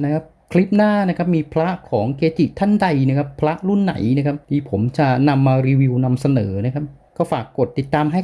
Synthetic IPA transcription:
na˦˥kʰa˦˥p̚kʰli˦˥p̚naː˥˩na˦˥kʰa˦˥p̚miː˧pʰɾa˦˥kʰɔː˩˦ŋkʰeː˧t̪ʰi˨˩t̪ʰa˥˩nda˧jna˦˥kʰa˦˥pʰːɾa˦˥ʔɾu˥˩nːa̰˩˦jna˦˥kʰa˦˥p̚niː˧pʰo˩˦mt͡ɕa˨˩na˧mːaː˧ɾiː˧wi˧wna˧msa˧nɤː˩˦na˦˥kʰa˦˥p̚ | kɔː˥˩faː˨˩kːo˨˩t̪ːi˨˩t̪ːaː˧mɦa˥˩

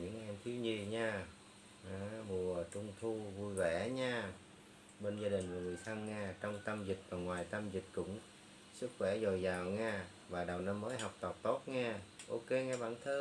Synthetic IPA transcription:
ɲɨ̰˧˥ŋʔɛ˧mt̪ʰi˨˦wɲi˧˩ɲaː˧ | ʔaː˨˧˩mu˨˩ət͡ɕʊ˧ŋ͡mt̪ʰu˧vu˧jvɛ˧˩ɲaː˧ | ɓe˧nzaː˧ɗï˨˩ŋ̟kːŋɨ˨˩əjt̪ʰa˧ŋːaː˧t͡ɕɔ˧wŋ͡mt̪ə˧mzï˨˩k̟̚vaː˨˩ŋwaː˨˩jt̪ə˧mzi˨˩k̟̚kʊ̰˧˥ŋ͡m | sɨ˦˥k̚xwɛ˧˩zo˨˩jzaː˨˩wŋaː˧ | vaː˨˩ɗə˨˩wna˧mːəː˨˦jɦa˨˩wk͡p̚t̪ə˨˩p̚t̪o˦˥t̚ŋaː˧ʔo˧ke˧ŋaː˧ɓa̰ː˧˩nt̪ʰəː˧

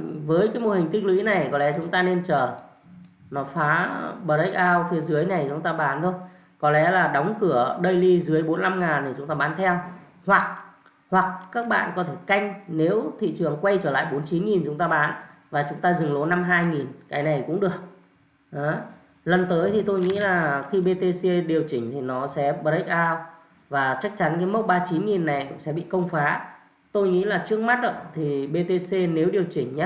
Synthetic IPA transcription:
vəː˨˦jkaː˨˦jmo˨˩hï˨˩ŋ̟kï˧ŋ̟lwḭ˧˥na˨˩jkɔ˨˦lɛ˨˦t͡ɕʊ˨˦ŋ͡mt̪aː˧ne˧nt͡ɕəː˧˩ | nɔ˨˦faː˨˦ɓə˨˩ɗə˦˥k̚ʔaː˧wfi˨˦əzɨ˨˦əjna˨˩jt͡ɕʊ˨˦ŋ͡mt̪aː˧ɓaː˨˦nt̪ʰo˧ | kɔ˨˦lɛ˨˦laː˨˩ɗɔ˨˦wŋ͡mkɨ˧˩əɗə˧jli˧zɨ˨˦əjɓo˨˦nla˧mŋaː˨˩nt̪ʰi˨˩ʊ˨˦ŋ͡mt̪aː˧ɓaː˨˦nt̪ʰɛ˧w | hwa˨˩k̚ | hwa˨˩k̚kaː˦˥k̚ɓa̰ː˧˨nkɔ˨˦t̪ʰe˧˩ka˧jŋ̟ne˨˦wt̪ʰḭ˧˨t͡ɕɨ˨˩əŋkwa˧jt͡ɕəː˧˩la̰ː˧˨jɓo˨˦nt͡ɕi˨˦nŋi˨˩nt͡ɕʊ˨˦ŋ͡mt̪aː˧ɓaː˨˦nvaː˨˩t͡ɕʊ˨˦ŋ͡mt̪aː˧zɨ˨˩ŋlo˨˦na˧mɦaː˧jŋi˨˩nkaː˨˦jna˨˩jkʊ̰˧˥ŋ͡mɗɨ˨˩ək̚ | ʔɔ˨˦ | lə˨˩nt̪əː˨˦jt̪ʰi˨˩t̪o˧jŋḭ˧˥laː˨˩xi˧ɓe˧t̪e˧se˧ɗi˨˩əwt͡ɕï˧˩ŋ̟t̪ʰi˨˩nɔ˨˦sɛ̰˧˥ɓə˨˦˥k̚ʔaː˧w | vaː˨˩t͡ɕa˦˥k̚t͡ɕa˨˦nkaː˨˦jmə˦˥t̚ɓaː˧t͡ɕi˨˦nŋi˨˩nːa˨˩jksɛ̰˧˥ɓḭ˧˨kə˧wŋ͡mfaː˨˦ | t̪o˧jŋḭ˧˥laː˨˩t͡ɕɨ˦˥ək̚ma˦˥t̚ə̰˧˨t̪ʰi˨˩ɓe˧t̪e˧se˧ne˨˦wɗi˨˩əwt͡ɕï˧˩ŋ̟ɲ˦

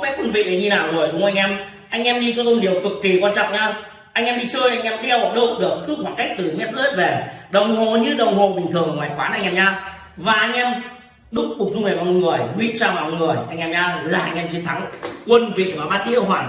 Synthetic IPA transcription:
vaː˨˦kwə˧nvḭ˧˨ɗe˨˩ɲi˧naː˨˩wzo˨˩jɗʊ˨˦ŋ͡mʔa˧jŋ̟ʔɛ˧m | ʔa˧jŋ̟ʔɛ˧mɲi˧t͡ɕɔ˧t̪o˧ɗi˨˩əwkɨ˨˩kːi˨˩kwaː˧nt͡ɕɔ̰˧˨ŋ͡mɲaː˧ | ʔa˧jŋʔɛ˧mɗi˧t͡ɕəː˧jʔa˧jŋ̟ʔɛ˧mɗi˧ə˧wə˨˩ɗo̰˧˨ɗɨ˨˩ək̚kɨ˦˥kxwaː˧˩nka˦˥jk̚t̪ɨ˨˩mɛ˦˥t̚zəː˧˦˥t̚ve˨˩ɗə˨˩wŋ͡mɦo˨˩ɲɨ˧ɗə˨˩wŋ͡mɦo˨˩ɓï˨˩ŋ̟t̪ʰɨ˨˩əŋŋwaː˨˩jxwaː˨˦nʔa˧jŋʔɛ˧mɲaː˧ | vaː˨˩ʔa˧jŋ̟ʔɛ˧m | ɗʊ˦˥k͡p̚kk̚zʊ˧ŋ͡mŋi˨˩maː˧˩˨ŋɨ˨˩əjɓḭ˧˨t͡ɕaː˧˩maː˨˩˨ŋɨ˨˩əjʔa˧jŋʔɛ˧mɲaː˧laː˨˩ʔa˧jŋ̟ʔɛ˧mt͡ɕi˧nt̪ʰa˨˦ŋkwə˧nvḭ˧˨maː˨˩ɓaː˦˥t̚ɗi˧˦ə˧˩ɦwaː˧˨˩n

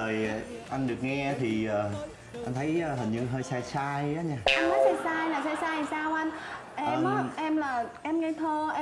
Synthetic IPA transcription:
əː˨˩jʔa˧jŋ̟ɗɨ˨˩ək̚ŋɛ˧t̪ʰi˨˩əː˨˩ | ʔa˧jnt̪ʰə˨˦jəː˧hə˨˩ɲɨ˧ɦəː˧jsaː˧jsaː˧jaː˨˦ɲaː˧˩ʔa˧nmə˨˦jhəː˧jsaː˧jlaː˨˩saː˧jsaː˧jsaː˧wʔa˧jn | ʔɛː˧˨mʔaː˨˦ʔɛ˧mlaː˨˩ʔɛ˧mŋɛ˧t̪ʰo˧ʔɛ˧

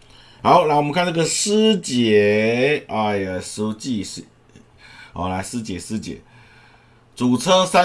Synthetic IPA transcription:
xa˨˦ʊna˧˥ŋwmə˦ŋkʰa˥˨na˥˩ə˨sɹ̩˥t͡ɕjɛ˨˧˦a˥˧˩su˧˥t͡ɕi˥˧˨ʂ | ʔɔ̰˨la˧˥ɪsɹ̩˥t͡ɕjɛ˨˥˦sɹ̩˥t͡ɕjɛ̰˨˦ | t͡su˨˩t͡sʰɤ˥sa˥

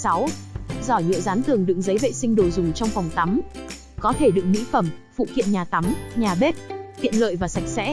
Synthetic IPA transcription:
sa˨˦wzɔ˧˩ɲɨ̰˧˨əzaː˨˦nt̪ʰɨ˨˩əŋɗɨ̰˧˥ŋzə˨˦jvḛ˧˨sï˧ŋ̟ɗo˨˩zʊ˨˩ŋ͡mt͡ɕɔ˧wŋ͡mfwŋ͡mt̪a˨˦m | kɔ˨˦t̪ʰe˧˩ɗɨ̰˨˧˨ək̚mḭ˧˥fə˧˩mfṵ˧˨xḭ˧˨ənɲaː˨˩t̪a˨˦mɲaː˨˩ɓe˦˥t̚t̪ḭ˧˨ənlə̰ː˧˨jvaː˨˩sa˨˩jk̚sɛ̰˧˥

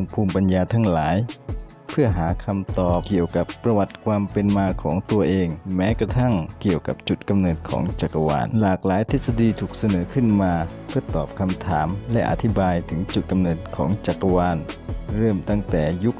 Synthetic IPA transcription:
ŋpʰuː˧˩mpa˧njaː˧t̪ʰa˧˥˩ŋlaː˩˦j | pʰɯ˥˩əɦaː˩˦kʰa˧mt̪ɔː˨˩p̚ki˨˩əwka˨˩pːɾa˧wa˧˩t̪̚kʰwaː˧mpe˧nmaː˧kʰɔː˩˦ŋt̪u˧ɐʔeː˧ŋmɛː˦˥kɾa˧t̪ʰa˥˩ŋki˨˩əwka̰˨˩p̚t͡ɕu˨˩t̪̚ka˧mnɤː˨˩t̪̚kʰɔ̰ː˩˦ŋt͡ɕa˨˩ka˧wa̰ː˧˩nlaː˨˩k̚laː˨˦jt̪ʰe˦˥t̪̚sa˧diː˧t̪ʰuː˨˩k̚sa˧nɤː˩˦kʰɯ˧˥˩nmaː˧ | pʰɯ˥˩ɐt̪ɔː˨˩p̚kʰa˧mt̪ʰaː˩˦mlɛ̰˧˥ʔa̰˧t̪ʰi˦˥baː˧jt̪ʰɯ˩˦ŋt͡ɕu˨˩t̪̚ka˧mnɤː˨˩t̪̚kʰɔː˩˦ŋt͡ɕa˨˩kːa˧waː˧nɾɤː˥˩mt̪a˥˩ŋt̪ɛː˨˩ju˦˥k̚

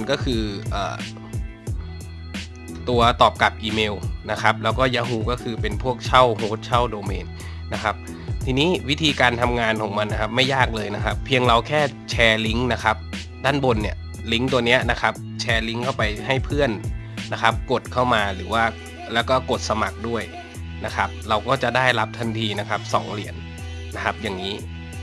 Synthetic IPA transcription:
nkɔː˥˩kʰɯː˧ʔə̰ː˨˩ | t̪u˧ɐt̪ɔː˨˩p̚ka˨˩p̚ʔiː˧meː˧wna˦˥kʰa˦˥p̚lɛː˦˥wkɔː˥˩jaː˧ɦuː˧˩kɔː˥˩kʰɯː˧pe˧npʰu˥˩ək̚t͡ɕʰa˥˩wɦoː˦˥t̪̚t͡ɕʰa˥˩wdoː˧meː˧nː | a˦˥kʰa˦˥p̚ | t̪ʰiː˧niː˦˥wi˦˥t̪ʰiː˧kaː˧nt̪ʰa˧mŋaː˧nkʰɔː˩˦ŋma˧nːa˦˥kʰa˦˥p̚ma˥˩jaː˥˩k̚lɤː˧jna˦˥kʰa˦˥pʰːi˧əŋla˧wkʰɛː˥˩t͡ɕʰɛː˧li˦˥ŋna˦˥kʰa˦˥p̚ | daː˥˩nbo˧nːi˦˥˩ə | li˦˥ŋt̪u˧əni˦˥ɐna˦˥kʰa˦˥p̚t͡ɕʰɛː˧li˦˥ŋkʰa˥˩wpa˧jɦa˥˩jpʰɯ˥˩ənː | a˦˥kʰa˦˥p̚ko˨˩t̪̚kʰa˥˩wmaː˧ɾɯː˩˦waː˥˩ | lɛː˦˥wkɔː˥˩ko˨˩t̪̚sa˧ma˨˩k̚du˥˩əj | na˦˥kʰa˦˥p̚ɾa˧wkɔː˥˩t͡ɕa˨˩daː˥˩jla˦˥p̚t̪ʰa˧nt̪ʰiː˧na˦˥kʰa˦˥p̚sɔ̰ː˩˦ŋli˨˩˦ənː | a˦˥kʰa˦˥p̚jaː˨˩ŋːiː˦˥

